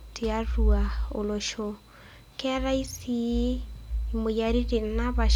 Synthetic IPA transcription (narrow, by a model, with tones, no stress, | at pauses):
te˨a˦ɾua˨o˨lo˨ʃo˨ | kɛɾa˦i˦si˦ | mo˨jaɾi˦ɾe˨naβa˨ʃ